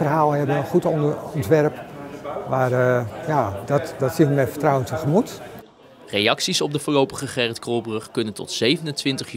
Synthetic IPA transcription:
fərɦaːlˠɦɛbəənχutɔɔntʋɛrpʋaːrjadɔtdɔtsinmɛtfə̥rtrawəntʰəχəmut | rejɑksisɔb̚dəvʊːlowpəχəχɛrətkrolˠbrɵχkɵnəntɔ̰tsejvənəntʋɪntəχ

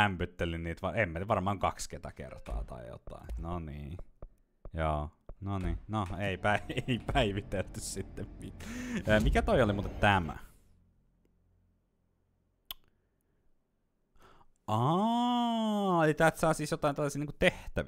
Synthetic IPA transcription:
æmpyt̪ːelinniːt̪ʋɑemːæʋɑrmɑːŋkɑksket̪ɑkḛrt̪ɑ̰ːt̪ɑ̰ḭjo̰t̪ɑ̰inonḭː | joːnoninoeipæieipæiʋit̪elt̪ːyssit̪ːemmiəːmikæt̪oiolimuːt̪et̪t̪æmæ̰ | ɑ | elit̪æːt̪sɑˑːsiːsjot̪ɑˑint̪ælːæsiːniːŋkut̪eht̪æʋ

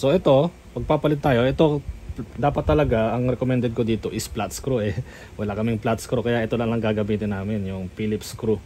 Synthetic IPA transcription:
so̞ʔɛt̪o̞ | pɐɡ̚paːpɐlɪt̪ːaːjoʔɛt̪o̞d̪aːpɐt̪ːɐlɐɡaɐŋɾɛkomɛnd̪ɛd̪̚kod̪iːt̪o̞ʔɪsplat̪skɾuʔɛ | wɐlakɐmɪŋplat̪skɾukɐjaʔɛt̪o̞lɐŋlɐŋɡaːɡɐmiːt̪ɪnːaːmɪnjʊŋpiːlɪpskɾu

